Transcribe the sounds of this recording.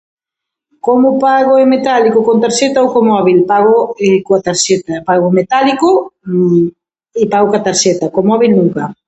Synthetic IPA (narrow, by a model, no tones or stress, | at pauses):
komʊpaɣoemet̪alikokont̪aɾʃet̪awkomɔβilpaɣoekoat̪aɾʃet̪ɐpaɣomet̪aliko | ɪpaɣokat̪aɾʃet̪ɐkomɔβilnuŋkɐ